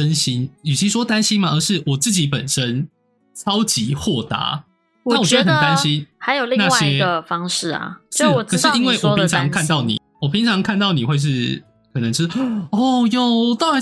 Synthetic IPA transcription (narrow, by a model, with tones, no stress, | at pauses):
ə˦nɕi˦˥ny˨˩t͡ɕʰi˨˥ʂ̬wɔ˥t̪a˦nɕi˥nma˨ə˧˦ʂɻ̩˥˩wɔ˨˩t͡sɹ̩˥˩t͡ɕi˨˥pə˨˩nʂə˦˥n | t͡sʰɑ˥ʊt͡ɕi˧˦xwɔ˥˩t̪a̰˧˦ | na˥˩wɔ˨˩t͡ɕwnt̪a˦nɕi˦nxa˧ɪjo˨ʊlina˥˧˩ɕjɛ˦ɡə˧fɑ˥ŋʂɻ̩˥˩ɐ̰˨˩ʂɻ̩˥˩˨kʰə˨˩˦ʂɻ̩˥˧˨i˦˥nwe˥˩ɪwɔ˨˩˧pʰi˧˦t͡sʰɑ˧˦ŋkʰa˥˧nt̪ɑ˥˨ʊnḭ˨˩wɔ˨˩pʰi˨˦ŋt͡sʰɑ˧˦ŋkʰa˥˧nt̪ɑ˥˩ʊni˨˩xwe˥˧ɪʂ̬ɻ̩˥˩ | kʰɤ˨˩nə˧˦ŋʈ͡ʂ̩ʰ˥˧˩ɔ˥˩jo˥˨˩ʊt̪ɑ˥ʊa˧˦